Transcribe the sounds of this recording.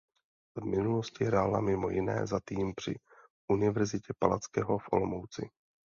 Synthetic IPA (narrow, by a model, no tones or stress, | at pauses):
vmɪnuloscɪɦɾaːla̰mɪmo̞jɪnɛ̰ːzat̪iːmpr̝̥ɪ̰ | ʔunɪvɛɾzɪcɛpala̰t͡skɛːɦofʔo̰lomowt͡sɪ̰